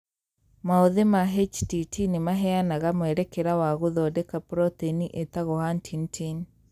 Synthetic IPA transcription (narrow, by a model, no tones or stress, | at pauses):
maoðemaɦet͡ʃtitʰinemaɦɛanaɣamwɛɾɛkeɾawaɣoðɔdɛkapɾɔt̪eniʔet̪aɣɔhantʰintʰin